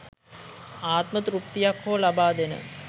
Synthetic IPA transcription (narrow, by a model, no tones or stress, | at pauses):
aːt̪mət̪ɾup̚t̪ijakʰːoːlabaːd̪enə̰